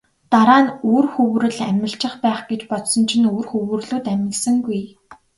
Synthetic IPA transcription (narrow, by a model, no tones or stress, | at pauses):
t̪aɾaːnoːrxɵwɾɘ̆ɮæmʲɪ̆ɬt͡ɕɪ̆χpæːχɡ̥et͡ɕpɔt̪sɞ̆nt͡ɕʰĭnoːrxɵwɘ̆rɮuːt̪æmʲɪ̆ksɘ̆ŋɡuj